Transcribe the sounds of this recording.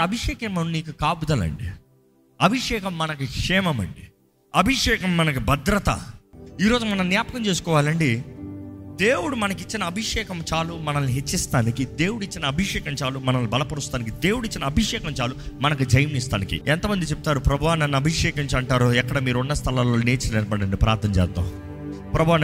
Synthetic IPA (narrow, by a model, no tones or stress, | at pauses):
ɐbʱiʂɛːkɐmɐmniːkukaːbud̪ɐlɐ̰ɳɖḭ | ɐbʱiʂɛːkɐmːɐnɐkukʂɛːmɐmɐ̰ɳɖi | ɐbʱiʂɛːkɐmːɐnɐkubɐd̪ɾɐt̪ɐ̰iːɾo̞ːd͡ʒumɐnɐmnːjaːpɐkɐmt͡ʃe̞ːsu̥kɔːʋaːlɐɳɖi | d̪e̞ːwuɽumɐnɐkit͡ʃːinɐːbʱiʂɛːkɐmt͡ʃaːlumɐnɐlːiɦet͡ʃːist̪aːnikid̪e̞ːwuɽuit͡ʃːinɐɐbʱiʂɛːkɐmt͡ʃaːlumɐnɐlːubɐlɐpɐɽust̪aːnikid̪e̞ːwuɽuit͡ʃːinɐɐːbʱiʂɛːkɐmt͡ʃaːlumɐnɐkud͡ʒɐjɐmist̪aːnikḭɛnt̪ɐmɐnd̪it͡ʃep̚ut̪aːɾupɾɐbʱuʋaːnɐnːɐbʱiʂɛːkɐɲt͡ʃɐɳʈaːɾuɛkːɐɽɐmiːɾunːɐst̪ʰɐlaːloːneːt͡ʃɐlneɾbɐɽɐɳɖipɾʔa̰ːɾt̪ʰɐmt͡ʃɛ̰ːd̪a̰ː | pɾɐbʱuʋan